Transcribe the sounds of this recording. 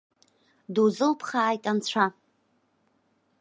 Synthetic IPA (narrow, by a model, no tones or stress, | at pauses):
duzɨlpʰχaːjtʼant͡sʷʰa